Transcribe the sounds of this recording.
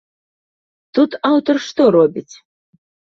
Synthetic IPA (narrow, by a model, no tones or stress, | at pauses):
t̪ut̪awt̪ɔrʂt̪ɔɾɔbʲit͡sʲ